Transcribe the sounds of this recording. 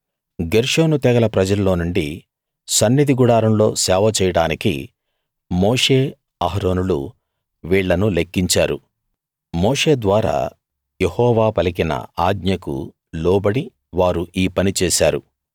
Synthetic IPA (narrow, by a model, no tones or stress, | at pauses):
ɡeɾʂoːnut̪ɛɡɐlɐpɾɐd͡ʒɐlːo̞ːnuɳɖi | sɐnːid̪iɡuɽaːɾɐmlo̞ːsɛːʋɐt͡ʃɛːjɐɽaːnikḭ | moːʂe̞ː | ɐɦɾo̞ːnulṵ | ʋiːɭːɐnulekːiɲt͡ʃaːɾu | moːʂe̞ːd̪ʋaːɾa̰ː | jehɔːʋaːpɐlikinɐ̰aːɡɲɐkṵ | lɔːbɐɽi | ʋaːɾuʔiːpɐnit͡ʃɛːʃaːɾṵ